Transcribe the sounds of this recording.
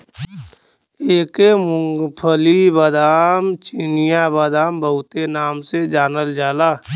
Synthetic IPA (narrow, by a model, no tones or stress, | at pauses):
eːkemʊ̃ŋɡpʰəlibəd̪aːmt͡ʃinijabəd̪aːmbəɦʊt̪enaːmsed͡ʒaːnəld͡ʒaːlaː